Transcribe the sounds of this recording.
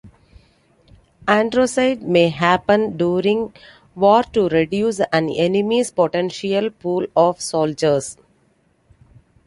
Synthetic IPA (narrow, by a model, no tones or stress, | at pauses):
æ̃ɳɖɾoːsaɪɖmeːɦæpə̃nɖjuːɾɪ̃ŋɡ | ʋɔːɾʈuɾeɖjuːsæ̃nenimispoʈẽnʃiəlpuːlɔːfsoːld͡ʒəɾs